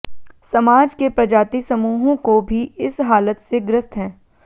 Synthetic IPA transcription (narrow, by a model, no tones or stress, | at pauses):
sɐmaːd͡ʒkepɾɐd͡ʒaːt̪isɐmuːɦõkobʱiɪsɦaːlət̪seɡɾɪst̪ɦɛ̃ː